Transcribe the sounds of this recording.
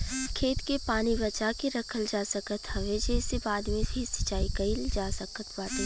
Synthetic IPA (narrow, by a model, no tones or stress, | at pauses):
kʰeːt̪kepaːnibɐt͡ʃakeɾɐkʰəld͡ʒaːsəkət̪ɦɐʋed͡ʒɛːsebaːd̪mẽbʱisɪ̥t͡ʃaːiɡɐild͡ʒaːsəkət̪ʰbaːt̪e